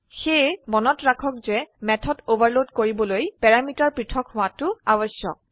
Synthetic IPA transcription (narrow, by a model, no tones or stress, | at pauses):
xejmɔnɔtɹakʰɔkzɛmɛtʰɔtobaɹlodkoɹibɔlojpɛɹamitaɹpɹitʰɔkhʊwatʊabɔsjɔ̰k̚